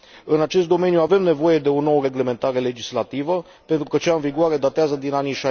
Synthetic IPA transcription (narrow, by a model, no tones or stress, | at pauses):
ɨnat͡ʃe̞s̬t̪d̪o̞me̞njuave̞mne̞vo̞je̞d̪e̞o̞no̞wəɾe̞ɡle̞me̞nt̪aɾe̞le̞d͡ʒislat̪ivə | pe̞nt̪ɾukət͡ʃaɨnviɡuaɾe̞d̪at̪eazəd̪inaniʃa